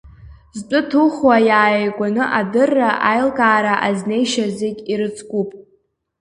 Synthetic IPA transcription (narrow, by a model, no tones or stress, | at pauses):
zt͡pʷʼʊtʰuχwajaːjejkʷʼanɨʔadɨrːaʔajlkʼaːɾaʔazne̞jʃazekʲiɾɨt͡sʼʰkʷʼupʼ